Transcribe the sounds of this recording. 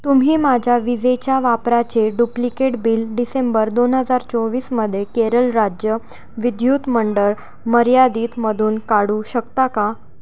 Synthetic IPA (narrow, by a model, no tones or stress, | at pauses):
t̪umɦiːmad͡ʑʱjaʋid͡zet͡ɕjaʋapɾat͡ɕeɖuplikeʈbiːlɖisembəɾd̪onɦəd͡zaɾt͡soʋiːsməd̪ʱːjekeɾəlɾad͡ʑjə | ʋid̪ʱjut̪məɳɖəɾ | məɾjad̪iːt̪məd̪ʱuːnkaɽuːɕəkt̪aka